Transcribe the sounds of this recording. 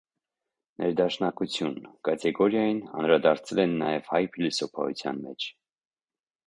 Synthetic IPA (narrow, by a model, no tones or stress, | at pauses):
nʔɛɾd̪ɑʃnɑkut͡sʰjunkɑt̪ʰɛɡɔɾjɑjinɑ̰nɾɑd̪ɑɾt͡sʰɛlɛnːɑjɛv̥hɑjpʰilusɔpʰɑ̰ṵt͡sʰjɑ̰nmɛt͡ʃʰ